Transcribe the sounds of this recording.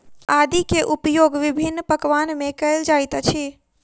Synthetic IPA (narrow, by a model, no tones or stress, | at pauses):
ad̪ikeʔupjoɡʋibʱinːpəkʋanmekəld͡ʒajt̪t͡ʃʰi